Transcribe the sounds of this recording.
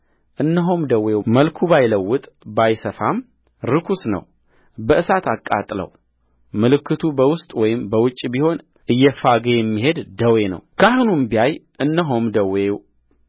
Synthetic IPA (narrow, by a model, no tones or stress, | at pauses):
ʔɨnːəɦomd̪əwewməlkʰubajləwːʊt̪ʼ | bajsəfam | ɾɨkʰusnə̰w | bəʔɨsat̪akʼːa̰t̪ʼlə̰w | mɨlɨkːɨt̪ʰubəwʊst̪ʼwɔjɪmbəwʊt͡ʃʼːbiho̞n | ʔɨjːɛfaɡejɛmːiɦe̞d̪d̪əwe̞nə̰wkʰəahunumbiajʔɨnːəɦomd̪əwew